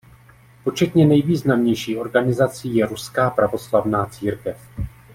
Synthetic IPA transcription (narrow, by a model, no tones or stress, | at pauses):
po̞t͡ʃɛt̪ɲɛnɛjviːznamɲɛjʃiːʔo̞ɾɡanɪzat͡siːjɛɾuskaːpɾavo̞slavnaːt͡siːɾkɛf